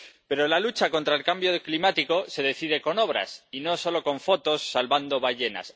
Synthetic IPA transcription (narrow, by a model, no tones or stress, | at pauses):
pe̞ɾo̞lalut͡ʃako̞nt̪ɾaelkambjoklimat̪iko̞se̞ðe̞θið̞e̞ko̞no̞β̞ɾa̰sino̞so̞lo̞ko̞ɱfo̞t̪o̞sːalβand̪o̞βaʝe̞na̰s